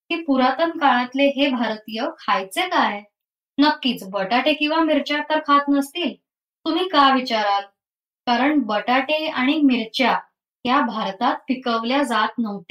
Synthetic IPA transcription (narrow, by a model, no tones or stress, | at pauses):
kiːpuɾat̪ənkaɭ̃at̪leɦebʱaɾt̪ijəkʰajt͡sek̪aɦe | nəkːiːt͡sbəʈaʈekĩw̃ʋamiɾt͡ɕjat̪əɾkʰat̪nəst̪iːl | t̪um̤iːkaʋit͡ɕaɾal | kaɾəɳbəʈaʈeaɽ̃imiɾt͡ɕja | ɦjabʱaɾt̪at̪̚fikəʋljad͡zat̪nəʋt̪e̥